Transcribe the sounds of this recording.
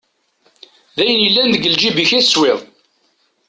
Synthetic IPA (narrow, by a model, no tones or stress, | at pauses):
ðæjənjəlːænðəɡəld͡ʒibiçæθsweðˤ